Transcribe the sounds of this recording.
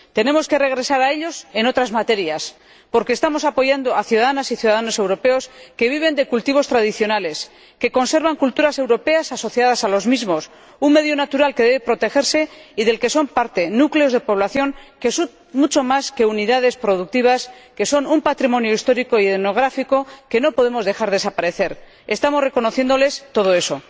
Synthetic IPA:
t̪e̞nẽ̞mo̞ske̞re̞ɣ̞ɾe̞saɾae̞ʎo̞se̞no̞t̪ɾazmat̪e̞ɾjas | po̞ɾkeːst̪amo̞sapo̞ʝand̪o̞aθjuðaðanasiθjuðaðano̞se̞wɾo̞pe̞o̞ske̞β̞iβ̞e̞nd̪e̞kult̪iβ̞o̞st̪ɾaðiθjo̞nale̞s | ke̞ko̞nse̞ɾβaŋkult̪uɾase̞wɾo̞pe̞asaso̞θjað̞asalo̞zmizmo̞s | uŋme̞ðjonat̪uɾalke̞ðeβepɾo̞t̪e̞xe̞ɾse̞iðe̞lke̞so̞mpaɾt̪e̞nukle̞o̞zðe̞po̞β̞laθjo̞ŋke̞su | mut͡ʃo̞maske̞uniðað̞e̞spɾo̞ðuk̚t̪iβ̞aske̞so̞numpat̪ɾimo̞njoist̪o̞ɾiko̞ieno̞ɣ̞ɾafiko̞ke̞no̞po̞ð̞e̞mo̞zðe̞xaɾðe̞sapaɾe̞θe̞ɾ | e̞st̪amore̞ko̞no̞θje̞nd̪o̞le̞st̪o̞ð̞o̞e̞so̞

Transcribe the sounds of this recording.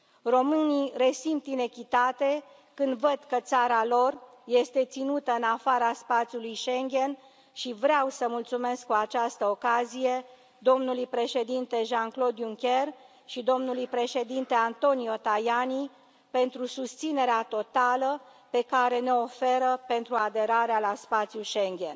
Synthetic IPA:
ro̞mɨnire̞simpt̪ine̞kʲit̪at̪e̞ | kɨnd̪vəd̪kət̪saɾalo̞r | je̞st̪e̞t̪sinut̪əɨnafaɾaspat̪sʲjulujʃe̞ŋɡʲe̞n | ʃivɾeawsəmult̪sume̞skkuat͡ʃast̪əokazije̞ | d̪o̞mnulujpɾe̞ʃe̞d̪int̪e̞ʒaŋklo̞d̪juŋkʲe̞r | ʃid̪o̞mnulujpɾe̞ʃe̞d̪int̪e̞ant̪o̞nio̞t̪ajani | pe̞nt̪ɾusust̪sine̞ɾeat̪o̞t̪aləpe̞kaɾe̞ne̞o̞fe̞ɾəpe̞nt̪ɾuad̪e̞ɾaɾealaspat̪sijuʃeŋɡʲe̞̰n

